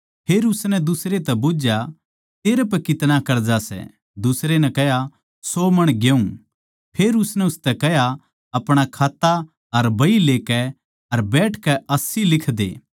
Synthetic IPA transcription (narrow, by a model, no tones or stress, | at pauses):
pʰeːɾʊsnɛ̃d̪ʊsɾet̪ɛboːd͡ʒja | t̪eːɾep̬ɐkɪt̪nakɐɾd͡ʒasɛ̰ | d̪ʊsɾenɛ̃kɛɦja | soːmɐɽ̃ɡeũ | pʰeːɾʊsnɛʊst̪ɛkɛɦja | ɐpɽ̃akʰaːt̪ːa | ɐɾbɐileːkɛ | ɐɾbɛːʈʰkɛɐsilɪkʰd̪ḛː